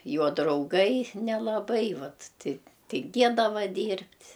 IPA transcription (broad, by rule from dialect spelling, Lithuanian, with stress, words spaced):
ˈjoː drɐʊˈɡɐɪ nʲɛlˠɐˈbɐɪ ˈʋɐt tʲɪ tʲɪŋʲˈɡʲeːdɐʋɐ ˈdʲiːrʲpʲtʲ